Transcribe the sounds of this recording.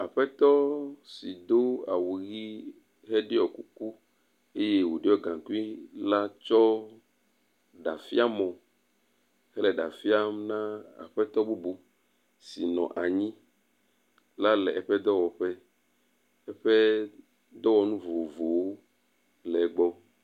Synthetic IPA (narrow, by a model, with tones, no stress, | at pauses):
a˨ɸɛ˦t̪ɔ˦si˨d̪o˦a̰˨wu˨ɣi˦ | ɦɛ˦ɖe˦ɔ˨ku˦ku˦ | e˦je˦wo˨ɖe˦ɔ˦ɡã˨ku˦i˦la˦t͡ʃɔ˦ | ɖa̰˨fi˦a˦mɔ̃˨ | hɛ˦lɛ˨ɖa̰˨fi˦a˦mnã˦a̰˨ɸɛ˦t̪ɔ˦bu˦bu˦ | si˨nɔ̰̃˨ʔa˨ɲĩ˦ | la˦lɛ˨ɛ˨ɸɛ˦d̪ɔ˦wɔ˨ɸɛ˦ | ɛ˦ɸɛ˦ | d̪ɔ˦wɔ˨nũ˦vo˨vo˨wo˦ | lɛ˨˦ɡ͡bɔ˦